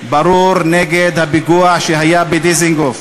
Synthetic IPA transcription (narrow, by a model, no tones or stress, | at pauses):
bɐɾuɾneɡed̪ɐbiɡuaʃiɦɐjabid̪iziŋɡof